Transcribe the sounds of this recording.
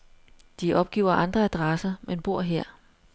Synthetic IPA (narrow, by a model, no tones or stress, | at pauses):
d̥iʔɒ̽b̥̚ɡ̥ḭːʊ̰ɐʔɑ̈nd̥ʁɐæd̥ʁɑsɐmenb̥o̝ɐ̰ɦeɐ̰